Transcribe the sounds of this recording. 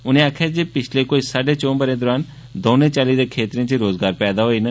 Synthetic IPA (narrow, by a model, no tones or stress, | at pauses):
ʊnẽːaːkʰaːd͡ʒepɪt͡ʃʰleːkoːisaːɖeːt͡ʃõːbəɾẽːd̪ɔːɾaːn | d̪oːnẽːt͡ʃaːlid̪eːkʰeːt̪ɾẽt͡ʃiɾoːzɡaːɾpɛːd̪aːɦoːiːnə